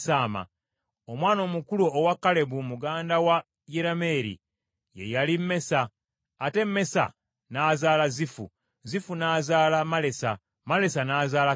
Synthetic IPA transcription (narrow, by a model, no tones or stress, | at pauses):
saːma̰ | omwaːno̞ːmukuluːwakːale̞βumuɡaːndawa | jeɾame̞ːɾḭ | je̞̰jalimːe̞saː | te̞mːe̞sa̰ | naːzaːlazifṵ | zifunaːzaːlamale̞sa̰ | male̞sanaːzaːla